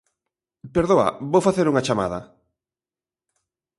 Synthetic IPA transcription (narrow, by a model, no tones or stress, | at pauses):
peɾðoa̰βowfaθeɾuŋat͡ʃama̰ðɐ̰